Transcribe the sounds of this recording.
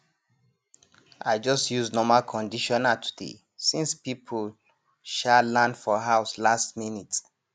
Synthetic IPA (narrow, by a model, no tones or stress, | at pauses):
ʔaɪd͡ʒɔstjuznɔmalkʰɔ̃ndiʃɔ̃natʰu̥dḛ | sĩnspipʰul | ʃalãnfɔɦaʊslastminit